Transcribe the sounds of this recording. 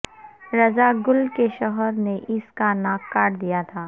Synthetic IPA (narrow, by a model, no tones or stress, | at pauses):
ɾɐzaɡʊlkeʃɔɦəɾneʔɪskanaːkːaːʈd̪ijat̪ʰaː